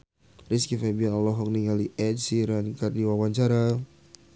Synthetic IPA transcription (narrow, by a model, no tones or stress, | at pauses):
riskifabianalɔɦɔk̚niŋaliʔɛd͡ʒsiɾankardiwawaɲt͡ʃaɾa